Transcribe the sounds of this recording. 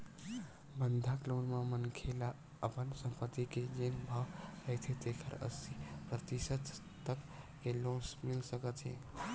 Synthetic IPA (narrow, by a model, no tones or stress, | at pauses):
bənd̪ʱaklonmamənkʰela | əpənsəmpət̪ːiked͡ʒenbʱawəɪt̪ʰet̪ekʰəɾə̰sipɾət̪isət̪ | t̪əkː | elõsmilsəkət̪ɦḛ̃